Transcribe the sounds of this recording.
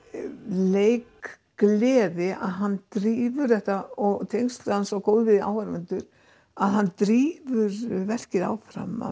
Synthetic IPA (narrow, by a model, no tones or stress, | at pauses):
leːjkː | lɛːðɪa̰ðɦanːt̪ɾiːvʏɾðɛht̪aɔɣt̪ʰejŋst̪lʏhansvawkoːwðʏvɪða̰ːwvaɾmɛnt̪ʏɾ̥ | aðɦanːt̪ɾiːvʏɾvɛr̥cɪða̰ːwfɾa̰ma̰